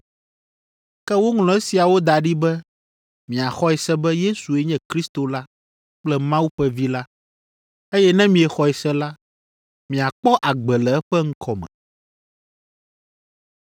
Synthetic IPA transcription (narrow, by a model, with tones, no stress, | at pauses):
kɛ˦wo˦ŋlɔ̃˦ɛ˦si˨a˨wo˦d̪a˨ɖi˦bɛ˦ | mĩ˨a˨xɔ˦ɛ˨sɛ˦bɛ˦je˦su˨e˦ɲɛ̃˦kɾi˦st̪o˨la˦ | k͡plɛ˦mã˦wu˦ɸɛ˦vi˦la˦ | e˦jɛ˦nɛ̃˦mĩ˨ɛ˨xɔ˨ɛ˨sɛ˦la˦ | mĩ˨a˨k͡pɔ˦ʔa˨ɡ͡bɛ˨lɛ˨ɛ˦ɸɛ˦ŋ̩˦kʰɔ˨mɛ̰̃˨